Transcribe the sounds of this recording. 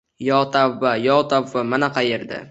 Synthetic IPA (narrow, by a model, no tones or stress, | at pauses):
jɒt̪ʰavːajɒt̪ʰavːamanaqʰɑjeɾd̪ɪ̰